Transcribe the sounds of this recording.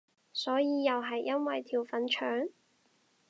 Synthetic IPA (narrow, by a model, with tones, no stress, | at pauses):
sɔː˨˥jiː˨˧jɐ˨wɦɐ˨jːɐ˥nwɐ˨jt̪ʰiː˨˩wfɐ˨˥nt͡ʃʰœː˨˥ŋ